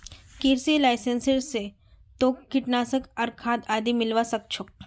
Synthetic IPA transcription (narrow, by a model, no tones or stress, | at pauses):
kiɾsilaːɪsẽnsəɾse | t̪oːkːɪʈnaːsəkɐɾkʰaːd̪aːd̪imɪlʋasɐk̚t͡ʃʰʊk̚